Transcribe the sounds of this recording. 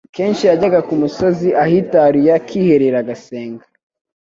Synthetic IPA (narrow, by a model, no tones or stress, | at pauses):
ke̞ːnʃijaɟaɡakumuso̞ziʔahitaɾijakʰiːhe̞ɾeɾaɡaseːŋɡḁ